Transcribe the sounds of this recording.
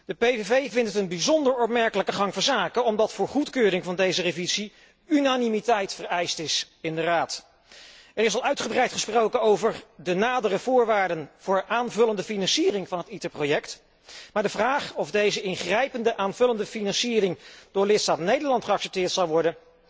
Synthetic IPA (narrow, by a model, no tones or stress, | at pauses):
d̥əpejvevejvɪntətənbizɔndəɹɔp̚mɛɹkələkəχɑŋvɔzaːkəɔmdɑtfʊːɹχutkøːrɪŋvɑndejzərevizi | ynanimitɛjtfərɛjstɪs | ɪndəraːt | ɛɾɪsɑlˠœɥtχəbrɛjtχəsprowkənowvəɹdənaːdərəvʊːɹʋaːɹdənv̥ʊːɹaːnvɵləndəfinɑnsiːrɪŋvɑnɦətitəɹprowjɛkt | maːdəvraːχɔvdejzəɪnχrɛjpəndəʔaːnvɵləndəfinɑnsiːrɪŋd̥ʊːɹlɪtstaːtnejdəɹlɑntχəɑksɛp̚tɪːɹtsɑlˠʋɔɹdən